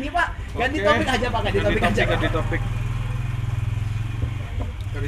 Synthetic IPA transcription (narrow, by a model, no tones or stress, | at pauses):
nipaʔ | ɡant̪it̪ɔpɪkɦad͡ʒapaɡadit̪ɔpɪkad͡ʒakat̪ɔpɪk